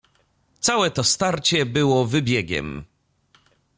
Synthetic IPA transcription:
t̪sawɛt̪ɔst̪aɾt͡ɕɛbɘwɔvɘbʲjɛɡʲɛ̰m

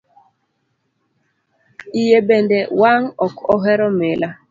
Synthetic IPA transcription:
ijebendɛwaŋɔkɔɦɛɾɔmela

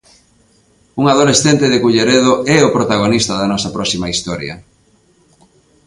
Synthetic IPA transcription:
uŋað̞olesθent̪ɪðɪkuʎeɾeðoɛopɾot̪aɣ̞onist̪ɐðɐnɔsɐpɾɔsimaist̪ɔɾjɐ̰

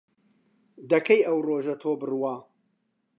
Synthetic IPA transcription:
d̪ɐkʰɐjʔɐwroːʒɐt̪ʰoːbɨrɨwaː

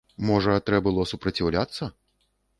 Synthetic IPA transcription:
mɔʐɐt̪ɾɛbɨlˠɔsupɾɐt͡sʲiwlʲat̪sːɐ

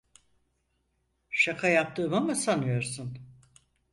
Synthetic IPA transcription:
ʃakʰajap̚t̪ʰɯːmamasanɯjo̞ɾsun

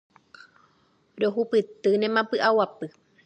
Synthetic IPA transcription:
ɾoɦupɨt̪ɨnẽmãpɨʔawapɨ

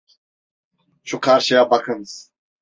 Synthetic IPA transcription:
ʃukʰaɾʃijabakʰɯnz̥

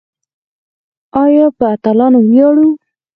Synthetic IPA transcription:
ɑjɑpəat̪alɑnowjɑɽu

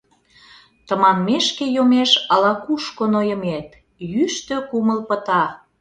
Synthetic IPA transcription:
t̪ə̆mɑmmeʃkejomeʃɑlɑkuʃkonojə̆met̪̚ | jyʃt̪økuməlpət̪ɑ

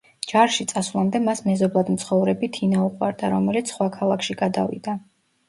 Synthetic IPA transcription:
d͡ʒaɾʃit̪sʼaswlˠamd̪ɛmasmɛzɔblˠad̪m̩t̪sʰχɔvɾɛbit̪ʰinauqʼwa̰ɾd̪aɾɔmɛlit̪sʰχwakʰalˠakʰʃiɡad̪avḭd̪a

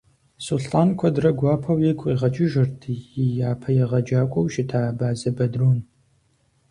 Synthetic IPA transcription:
suɬtʼaːnkʷʰɐdrɐɡʷɑːpʰɐwjekʷʼiːʁɐd͡ʒʼɪʒɪrtʰɨjijaːpʰɐjɛʁɐd͡ʒaːkʷʼɔwʃɪtʰaːbaːzɐbɐdroːn

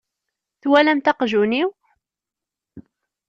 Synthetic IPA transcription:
θwælæmt̪ɑqʒuniw

